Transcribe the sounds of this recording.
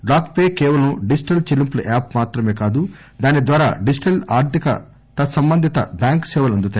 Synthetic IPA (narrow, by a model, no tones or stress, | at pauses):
ɖaːkpeːkɛːʋɐlɐmɖid͡ʒiʈɐlt͡ʃilimplɐʔaːpmaːt̪ɾɐme̞ːkaːd̪u | d̪aːnid̪ʋaːɾa̰ːɖid͡ʒiʈɐlaːɾt̪ʰikɐ̰ | t̪ɐsɐmbɐnd̪ʱit̪ɐ̰bjaːŋksɛːʋɐlɐnd̪ut̪aː